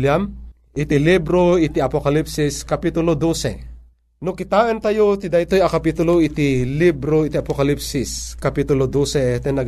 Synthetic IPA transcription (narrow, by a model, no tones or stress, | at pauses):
ljam | ʔɪt̪ilibɾoit̪iɐpokalipsɪskɐpit̪ʊlod̪osɛ̰ | nʊkɪt̪aːʔənt̪ajot̪id̪ajt̪ojakɐpit̪ʊloit̪ilibɾoit̪iapokalipsɪskapit̪ʊlod̪osɛt̪ɛnɐɡ